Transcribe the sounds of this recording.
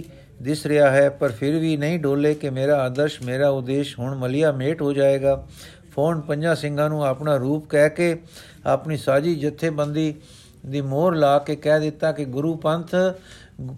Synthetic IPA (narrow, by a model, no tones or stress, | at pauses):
d̪ɪsɾɪjaːɦɛːpəɾpʰɪɾʋiːnəĩːɖʱoːlːeːkɪmeːɾaːaːd̪əɾʃmeːɾaːʊd̪ːeːʃɦʊɳməlɪjaːmeːʈɦoːd͡ʒaːeːɡaː | pʰoːnpə̃ɲd͡ʒãːsɪ̃ŋɡãːnũːaːpɳaːɾuːpkɛːkeː | aːpniːsaːd͡ʒiːd͡ʒət̪ʰːeːbənd̪iː | d̪iːmoːɾlaːkeːkɛːd̪ɪt̪ːaːkɪɡʊɾuːpənt̪ʰ